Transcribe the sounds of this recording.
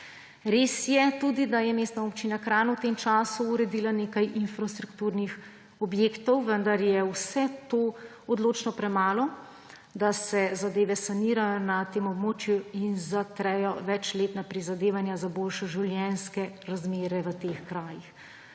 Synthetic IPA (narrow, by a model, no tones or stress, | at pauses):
ɾeːsjɛt̪ud̪id̪ajɛmeːst̪naopt͡ʃinakɾaːnawt̪emt͡ʃaːsuːɾɛd̪iːlanekajʔinfɾast̪ɾukt̪uɾnix | ɔbjeːkt̪ɔwʋənd̪aɾjɛwsɛt̪oː | ɔd̪loːt͡ʃnɔpɾɛmaːlɔ | d̪asɛzad̪eːʋɛsaniːɾajɔnat̪eːmɔbmoːt͡ʃjuinzat̪ɾɛjɔʋɛt͡ʃleːt̪napɾizad̪eːʋanjazaboːlʃɛʒiwljɛnskɛɾazmeːɾɛʋət̪exkɾaːjix